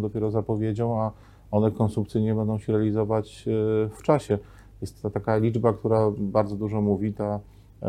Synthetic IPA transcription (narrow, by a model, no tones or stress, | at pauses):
d̪ɔpʲjɛɾɔzapɔvʲjed͡ʑɔ̃w̃a | ɔnɛkɔnsumk̚t̪sɘjɲɛbɛnd̪ɔ̃w̃ɕɛɾɛalʲizɔvat͡ɕft͡ʂaɕɛ | jɛst̪ːat̪akalʲid͡ʐbakt̪uɾabaɾd̪ɔd̪uʐɔmuvʲit̪a